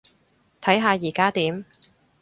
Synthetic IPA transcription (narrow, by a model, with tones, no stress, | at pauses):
t̪ʰɐ˨˥jɦaː˨˧jiː˨˩kaː˥t̪iː˨˥m